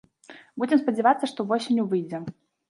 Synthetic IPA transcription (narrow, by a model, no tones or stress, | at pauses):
bud͡zʲɪmspɐd͡zʲɛvat̪sːɐʂt̪ɔvɔsʲɪnʲjuvɨjd͡zʲɛ